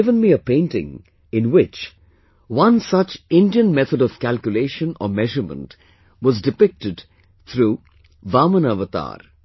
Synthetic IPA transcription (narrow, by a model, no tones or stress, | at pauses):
ɪvə̃nmiəpẽɪ̃nʈɪ̰̃ŋ | ɪ̃nwɪt͡ʃ | wʌ̃nsʌt͡ʃɪ̃nɖiə̃nmɛt̪ʰədɔʋ̥kælkjʊleːʃə̃nɔ̰mɛʒəɾmə̰̃nt | wɔzdɪpɪk̚ʈɪɖ | t̪ʰɾuː | ʋaːmənaʋət̪a̰ːɾ